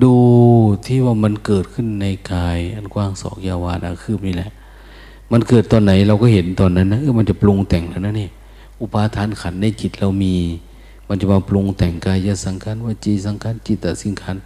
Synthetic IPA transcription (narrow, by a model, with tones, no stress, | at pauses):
duː˧t̪ʰiː˧˩waː˧ma˧˨nkɤː˨˩t̪̚kʰɯ˧˥˨nːa˧jkaː˧jʔa˨˧˨nkʰwaː˧˩ŋsɔ̰ː˨˦k̚jaː˧waː˧˨nʔa̰˧˩kʰɯː˧˩p̚niː˧˩lɛ˧ʔ | ma˧˥nkɤː˨˩t̪ːɔː˧nːa˨˦jɾa˧wkɔː˧˩ɦe˨˦nt̪ɔː˧nːa˧˥nːa˧˥ʔɯː˧˥˦ma˧nt͡ɕa˧˨plo˧ŋt̪ɛ˨˩ŋla˧˩˨na˧˥˨nːiː˧˩˨ | ʔu˧paː˧t̪ʰaː˨˧˥nkʰa˨˦nːa˧˨jt͡ɕi˨˩t̪̚ɾa˧wmiː˧ | ma˧nt͡ɕa˨˧˩maː˧plo˧ŋt̪ɛ˨˩ŋkaː˧jːaː˧˥sa˨˦ŋkʰa˧˥˨nwaː˧˩t͡ɕiː˧˩sa˨˦ŋkʰaː˧˥˨nt͡ɕi˨˩t̪̚ːa˧˩si˧˦nkʰa˧˥˨n